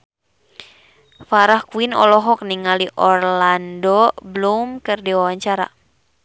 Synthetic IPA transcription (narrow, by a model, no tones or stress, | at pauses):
faɾahkuinɔ̰lɔɦɔk̚niŋaliʔɔrlandɔblumkɨrdiwawaɲt͡ʃaɾa̰